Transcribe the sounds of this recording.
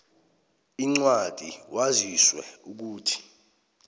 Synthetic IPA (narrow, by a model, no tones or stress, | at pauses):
iŋ͡ǀwad̥ʱiwaziswɛ̰uk̬uːtʰi̥